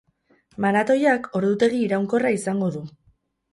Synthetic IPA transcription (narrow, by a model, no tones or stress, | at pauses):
manat̪o̞jako̞ɾðut̪e̞ɣ̞iːɾawŋko̞raisaŋɡo̞ðu